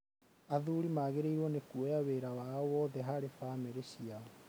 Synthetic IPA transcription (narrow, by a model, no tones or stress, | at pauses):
aðuːɾimaːɣeɾeiɾwɔnekuojaweɾawaːwɔðɛɦaɾefaːmeɾeɕiaɔ